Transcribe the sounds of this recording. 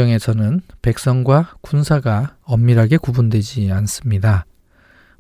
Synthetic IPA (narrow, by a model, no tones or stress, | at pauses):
ʌŋe̞sʰʌnɯnpe̞k̚s͈ʌŋɡwakunsʰaɡaʌmːiɾaɡe̞kubundwe̞d͡ʑians͈ɯmɲida